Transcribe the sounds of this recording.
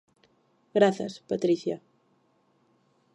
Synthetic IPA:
ɣɾaθa̰spat̪ɾiθja

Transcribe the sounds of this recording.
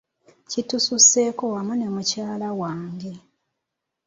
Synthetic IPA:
citususe̞ːko̞wamunemucaːlawaːɲɡi

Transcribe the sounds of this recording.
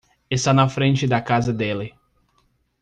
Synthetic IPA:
ɪst̪anɐfɾẽnt͡ʃɪd̪ɐkazɐd̪elɪ

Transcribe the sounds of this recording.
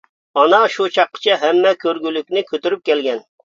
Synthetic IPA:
ɑnɑʃut͡ʃʰɑqːə̥t͡ʃʰɛɦɛmːɛkʲʰøɾɡʲylykʲnɪkʲʰøt̪yɾyp̚kʲɛlɡʲɛn

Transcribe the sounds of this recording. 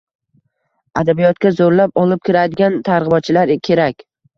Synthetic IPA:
ad̪abijɒt̪kʲazoɾlapɒlˠɪp̚kʲʰɪɾad̪ɪɡʲant̪ʰaɾʁɨbɒt̪̚t͡ʃʰɪlaɾkʲʰe̞ɾakʲ

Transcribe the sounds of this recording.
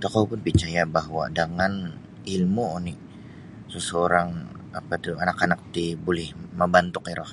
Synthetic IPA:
t̪akawpʊnpit͡ʃajabaɦwa̰daŋan | ilmuni | səsəoɾaŋapat̪uanakanak̚t̪ibolɛhməmbant̪ʊkɛɾɔh

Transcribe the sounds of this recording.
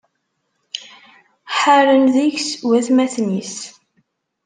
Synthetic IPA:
ħaɾənðiçswæθmæθnis

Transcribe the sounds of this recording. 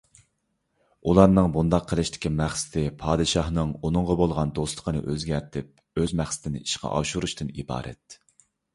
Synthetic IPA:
ulˠɑɾnɨŋbund̪ɑqʰːəlˠɪʃt̪ʰɪ̥kʲʰimæχsɪ̥t̪ʰɪpʰɑːd̪ɨʃɑhnɨŋunɨŋʁəbolˠʁɑnd̪osˠə̥qʰənɨ̰ʔøzɡʲæɾt̪ʰɪp̚ | øzmæχsɪ̥t̪ʰɪnɪ̰iʃqʰɑ̰ʔɑ̰ʃuɾuʃt̪ɨnḭbɑ̰ːɾʔɛ̰t̪̚

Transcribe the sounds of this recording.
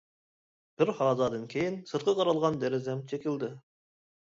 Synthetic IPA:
b̥ɪɾhɑːzɑːd̪ɨnkʲʰejinsɨɾ̚qʰɑqʰɑɾɑlˠʁɑnd̪ɛɾɪzɛmt͡ʃʰekʲild̪ɪ

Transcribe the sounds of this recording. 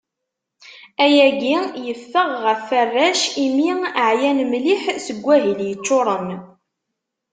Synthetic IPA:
æjæɡijəfːəʁːəfːərːæʃimiəʕjænmliħsəɡʷːæɦəljət͡ʃːʊɾˤəm

